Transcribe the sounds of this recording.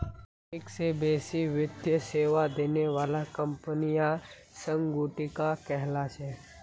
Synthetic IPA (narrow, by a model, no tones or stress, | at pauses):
ɪksebeːsiʋɪd̪jəseːʋad̪eːneʋaːlakɐ̃mpənija | sə̃ŋɡuːʈikakɛɦlaʃɛː